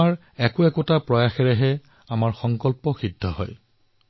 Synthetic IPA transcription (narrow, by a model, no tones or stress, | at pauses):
aɹ | ɛkʊɛkʊtapɹɔjaxɛɹɛɦɛ | amaɹxɔŋkɔlpɔxidʱːɔɦɔ̰j